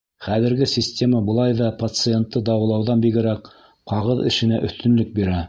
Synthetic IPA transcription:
χæðɘ̆ɾɡɘsʲisʲtʲemɑbɤ̆lˠɑjðɑpɐt̪sɨent̪ːɤd̪ɑwɤ̆lˠɑwðɑnbiɡɘ̆ɾæq | qɑʁɤðɘ̰̆ʃɘ̆næʔɵ̆θt̪ɵ̆nlɵk̚biɾæ

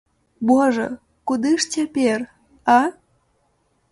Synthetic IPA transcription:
boʒo̰ | kud̪ɨʂtʲepʲer | ɑ

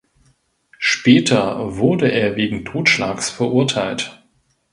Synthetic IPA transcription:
ʃpɛːtʰɐvʊɐdəʔeːɐveːɡŋ̩tʰoːtʃlaːksfɛɐʔʊɐtʰaɪlt

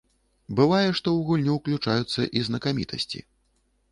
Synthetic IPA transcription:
bɨvajɛʂt̪ɔwɣulʲnʲuwklʲut͡ʂajut̪sːɐʔiznɐkamʲit̪ʰɐ̰sʲt͡sʲḭ

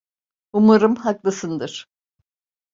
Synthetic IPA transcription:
umuɾɯmhaklˠasɯnd̪ɯɾ̥

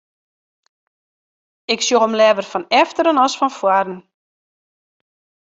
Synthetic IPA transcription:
ɪksjoxɔmlɛvərfɔnɛftəɾənɔsfɔnfwadən̩

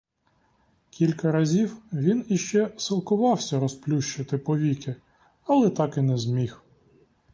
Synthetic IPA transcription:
kʲilʲkɐɾɐzʲiwʋʲiniʃt͡ʃɛsɪlˠkʊʋɑwsʲɐɾɔsplʲuʃt͡ʃɪt̪ɪpɔʋʲikɪ | ɐlˠɛt̪ɑkɪnɛzmʲix

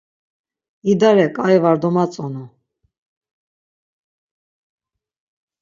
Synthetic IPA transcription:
id̪aɾɛkʼaɛvaɾd̪ɔmat͡sʼɔnu

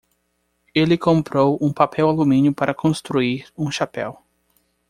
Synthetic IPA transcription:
elɪkõmpɾowũpapʰɛwalumĩnjʊpaɾʔɐkʰõst̪ɾuiɾũʃapɛ̰w

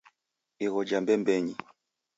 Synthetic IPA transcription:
ɛɣɔd͡ʒambɛmbɛɲi

